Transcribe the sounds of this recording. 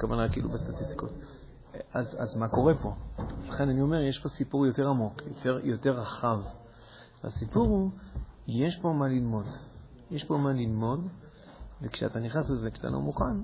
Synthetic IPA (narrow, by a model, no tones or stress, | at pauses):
kavanakiʔḭlubest̪at̪ist̪iko̰t | aza̰zmako̞ʁe̞po̞zlaχe̞nanio̞me̞ʁjeʃpo̞sipuʁjo̞te̞ʁamo̞kjoteʁjo̞te̞ʁːaχav | veasipuʁhu | jeʃpo̞malilmo̞d | jeʃpo̞malilmo̞d | vekʃea̰taniχnaslezekt̪a̰nʔo̰muχan